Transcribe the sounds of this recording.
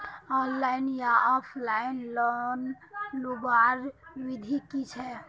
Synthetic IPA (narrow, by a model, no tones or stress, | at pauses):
ɔnlainjaɔpʰlainlɔn | lubaɾʋid̪ʱikit͡ʃʰɛ